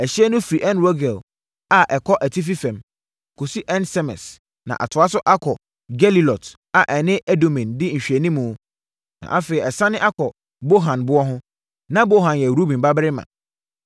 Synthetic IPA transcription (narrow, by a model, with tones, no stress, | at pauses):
ɛ˨ɕɛ˦nʊ̃˦fi˨ʔɛ˦nwo˦ɡɛ˨l | a˨ʔɛ˨kʰɔ˦ʔæ˨tʰi˦f̬i˦fɛ̃˨m | kʰo˨si˦ʔɛ˦nsɛ˦mɛ̰˨s | nã̰˨ʔa̰˨tʰʊ˨a˦sʊ˦ʔa˦kʰɔ˨ | ɡɛ˦li˨lɔ˨t | a˨ʔɛ˨nɪ̃˦ɛ˦do˨mĩ˨ndɪ˦ɲ̩˨ɕᶣɛ˨nĩ˦mũ˨˦ | nã̰˨ʔa˦fe˨ɾi˨ɛ˨sã˦nɪ̃˦ʔa˦kʰɔ˨ | bo˦ɦã˨nbʊ˦ɔ˦ɦʊ̃˦ | nã˦bo˦ɦã˨njɛ˨ɾu˦bĩ˨m˨ba˦bɾɪ˦mã̰˨